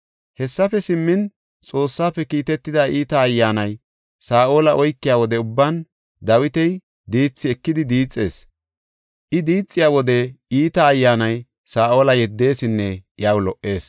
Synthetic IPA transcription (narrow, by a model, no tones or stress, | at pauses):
hɛsːɐfɛsɪmːɪn | t͡sʼo̞ːsːaːfɛkiːt̪ɛt̪ːɪd̪aːʔiːt̪ɐːjːaːnɐj | saːʔo̞ːlɐʔɔjkːɪjaːwɔd̪ɛʊbːan | d̪ɐwɪt̪ɛj | d̪iːt͡sːɪɛkːɪd̪ɪd̪iːt͡sʼːe̞̰ːs | ʔɪd̪iːt͡sʼːɪjaːwɔd̪ɛiːt̪ɐːjːaːnɐj | saːʔo̞ːlɐjɛd̪ːe̞ːsɪnːɛʔjaːwlɔʔːe̞ːs